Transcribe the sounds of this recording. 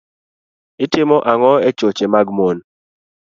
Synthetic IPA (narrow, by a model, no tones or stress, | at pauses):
ɪtɪmɔʔaŋɔɛt͡ʃot͡ʃemaɡmon